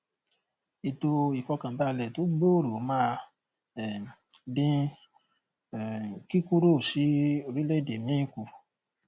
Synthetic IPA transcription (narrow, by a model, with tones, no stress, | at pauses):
i˨to˧i˨kɔ˧kã˨ba˦˧˨lɛ˨to˨˦ɡ͡bo˦˨ɾo˨˦mã˦ | ɛ˨dĩ˦˨ | ki˦ku˦ɾo˦˨si˨˦o˧ɾĩ˦le˦˨de˨mĩ˨˦ĩ˦˨ku˧˨